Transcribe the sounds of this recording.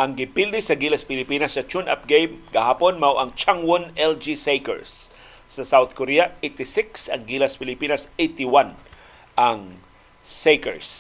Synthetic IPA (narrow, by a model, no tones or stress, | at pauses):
ʔɐŋɡɪpild̪ɪsɐɡilɐspɪlɪpiːnɐsːɐt͡ʃunʔa̰p̚ɡejmɡɐhaːponmawʔɐŋt͡ʃaŋwonɛld͡ʒisejkɛ̰ɹsː | ɐsawθkoɾiɐʔejt̪ɪsɪksɐŋɡilɐspɪlɪpiːnɐsejt̪ɪwan | ʔɐŋ | sejkɛ̰ɹs